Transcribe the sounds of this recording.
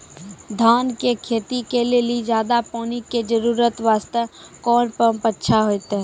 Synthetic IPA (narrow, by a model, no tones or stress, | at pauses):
d̪ʱaːnkekʰeːt̪ikelelid͡ʒaːd̪apɔːniked͡ʒəɾuːɾət̪ʋaːst̪əkɔːnpəmpətːʃʰaɦojt̪ɛ